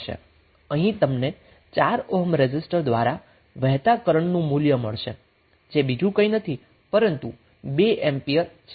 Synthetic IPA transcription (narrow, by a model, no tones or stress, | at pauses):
ʃḛ | əɦĩt̪əmne | t͡ʃaɾoɦəmɾed͡ʒɪsʈəɾd̪ʋaɾa | ʋɛɦt̪akəɾəɳnũmuljəmə̰ɭʃḛ | d͡ʒebid͡ʒũkə̃inət̪ʰi | pəɾənt̪ṵ | beʔɛmpiəɾ | t͡ʃʰ